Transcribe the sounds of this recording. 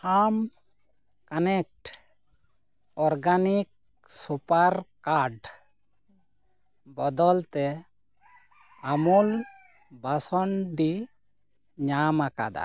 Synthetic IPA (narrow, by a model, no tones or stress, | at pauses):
am | kanɛk̚ʈ | ɔɾɡanik̚ | supaɾkaɾɖ | bɔd̪ɔlt̪ɛ | amul | basɔɳɖi | ɲamaka̰d̪a̰